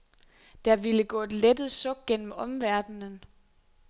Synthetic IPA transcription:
d̥ɑ̈ʋiləɡ̥ɔ̰ːe̝d̥led̥ð̩ˠsɔ̽ɡ̥̚ɡ̥en̰m̩ɒ̽mʋæɐd̥nən

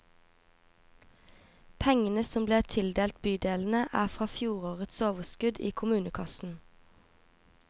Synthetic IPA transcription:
pʰɛŋənəsɔmbleːʁt̪ʰɪld̪eːlt̪byːd̪eːln̩əʔæːʁfʁɑːfjuːʁoːʁət̪soːʋəskʉd̪iːkʰʊmʉːnəkʰɑsn̩

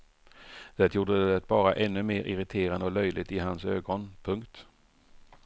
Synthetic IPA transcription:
d̪̥ɛt̪juːɖəd̪ɛt̪̚bɑːɾaʔɛnːɵmeːɾʔɪɾɪt̪ʰeːɾand̪ɔlœjlɪt̪ɪɦansø̰ːɡɔnpʰɵŋkt̪

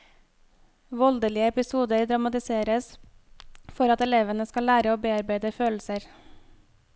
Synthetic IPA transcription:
ʋɔld̪əlɪəɛpɪsuːd̪əɾd̪ɾɑmɑt̪ɪseːɾəs | fɔɾɑt̪ɛleːʋənəskɑlæːɾəoːbeːɑɾbæɪd̪əføːl̩səɾ

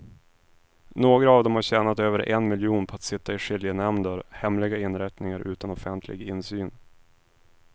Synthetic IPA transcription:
noːɡɾaːvd̪ɛmhaɾɕɛːnat̪øːvəɾʔɛ̰nmɪljuːnpʰɔat̪sɪt̪ːaɪʂɪljənɛmnd̪əɾhɛmlɪɡaɪnːɾɛt̪nɪŋaɾʔʉ̟ːt̪anɔfɛnt̪ʰlʔɪ̰ɡɪnːsyːn

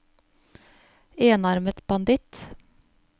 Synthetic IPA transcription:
eːnɑɾmət̪b̥ɑnd̪ɪt̪

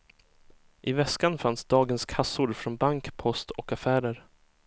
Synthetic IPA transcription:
ʔɪvɛskanfansd̪ɑːɡənskʰasʊɾfɾɔnbaŋkpʰɔst̪ʰɔkafæːɾəɾ

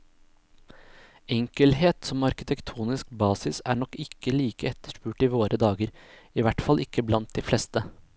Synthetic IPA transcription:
ɛŋkəlheːt̪sɔmɑɾkɪt̪ʰɛkt̪ʰuːnɪskbɑːsɪsæ̰ːɳɔkɪkʰːəliːkəɛt̪ʰːə̥ʂpʉːʈiːʋoːɾʔəd̪ɑːɡəɾiːʋæʈfɑlʔɪkːəblɑnt̪̚d̪iːflɛst̪ə

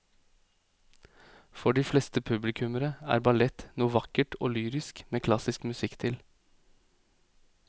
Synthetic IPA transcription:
fɔɖiːflɛːst̪əpʰʉblɪkʰʉməɾəæ̰ːɾbɑlɛt̪nuːʋɑkəʈʰo̰ːlyːɾɪskmeːkʰlɑsɪskmʉsɪkt̪ʰɪl

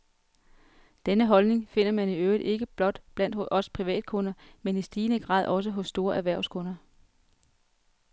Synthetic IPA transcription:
d̥enəɦɒ̽lne̝ŋfe̝n̰ɐmæniøʊðˠe̝ɡ̥əb̥lɒ̽d̥b̥læn̰d̥hʔɒ̽spʰʁiʋɛ̰ːd̥̚kʰɔ̽nɐmenisd̥iːnəɡ̥ʁɑ̰̈ːðˠɒ̽s̬əɦɔ̽sːd̥o̝ːɐʔæʋæɐʊskʰɔ̽nɐ

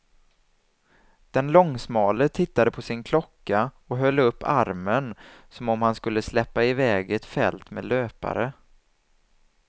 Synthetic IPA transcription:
d̪̥ɛnlɔŋːsmɑːlət̪ʰɪt̪ːad̪əpʰɔsɪnkʰlɔkːa | ɔɦœlːɵpːa̰ɾmənsɔmɔmhanskɵlːəslɛpːaɪvɛːɡɛt̪fɛ̰lt̪mḛːløːpa̰ɾə

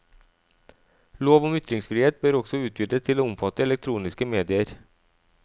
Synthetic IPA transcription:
loːvɔmʏt̪ɾɪŋsfɾiːheːt̪̚bœːɾɔksɔʉ̟ːt̪̚ʰjʏd̪əst̪ʰɪlɔmfɑt̪ːəɛlɛk̚t̪ʰɾuːnɪskəmeːd̪ɪəɾ

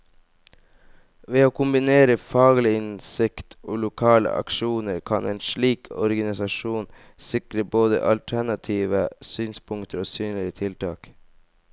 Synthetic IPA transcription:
ʋeːoːkʰʊmbɪneːɾəfɑːɡlɪɪnsɪkt̪ʰoːlʊkʰɑːlə̰ʔɑ̰kʃuːnəɾkʰɑneːnʃɭiːkʰɔɾɡɑnɪsɑʃuːn | sɪkɾəboːd̪ə̰ʔɑlt̪ʰæɳɑt̪ʰiːʋəsyːnspʰʊŋkt̪əɾoːsyːnlɪət̪ʰɪlt̪ʰɑːk

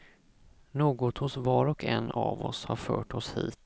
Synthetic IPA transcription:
noːɡɔt̪hʊsvɑːɾɔkɛnːɑvɔshaɾfœːʈʰɔshiːt̪

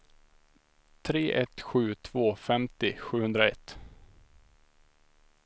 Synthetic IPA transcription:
t̪ʰɾeːʔɛt̪ɧʉ̟ːt̪ʰv̥oːfɛmt̪ɪɧʉ̟ːhɵnd̪ɾaɛ̰t̪

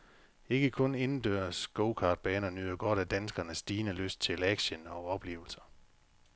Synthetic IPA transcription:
e̝ɡ̥əkʰɔ̽ne̝nn̩d̥øːɐsɡ̥oʊkʰɑ̈ːd̥̚b̥ɛːnɐnyðˠɐɡ̥ɒ̽ɾ̥æd̥ænsɡ̥ɐnəsːd̥iːnəløsd̥̚t͡sʰe̝læɡ̥ɕənɒ̽ɒ̽b̥le̝̰ːʊl̩sɐ̥

